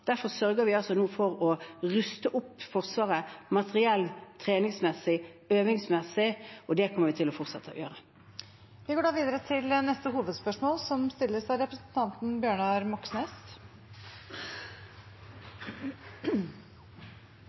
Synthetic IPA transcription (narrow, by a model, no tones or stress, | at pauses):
d̪̥æɾfɔʁsœɾɡəɾʋɪɑlsɔnuːfɔʁɔʁʉst̪əʔʊpːfɔʁsʋɑːʁəmɑt̪ʰəʁɪɛlːt̪ʰɾeːnɪŋsmɛsɪøːʋɪŋsmɛsɪɔd̪ɛkʰɔməʁʋɪt̪ʰɪlɔfɔʁt̪sɛt̪ʰːəɔ̰jø̰ːʁə | ʋɪɡoːɖɑːʋiːd̪əɾət̪ʰɪlnɛst̪əɦuːʋəd̪spœʂmoːlsɔmst̪ɪlːəsɑʋɾɛpɾəsn̩t̪ʰɑnt̪n̩bjøːɳɑɾmɔksneːs